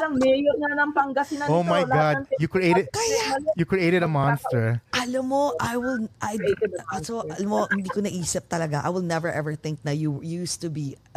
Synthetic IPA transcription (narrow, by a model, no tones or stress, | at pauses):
ɾɐŋmɛjonɐnɐŋpɐŋɡɐsɪnɐomajɡɑd̚jukɹiʔeɪɾɛd̪kɐjajukɹiʔeɪɾɛd̪ɐmɑ̃nst̪ɛɹʔɐlɐmːoʔajwɪlʔajd̪ɪk̪asoʔɐlɐmohɪnd̪iːkonɐʔiːsɪp̚t̪ɐlɐɡaʔa̰jwɪlnɛvɛɹʔɛvɛɹθɪ̃ŋk̚nɐjujust̪ubi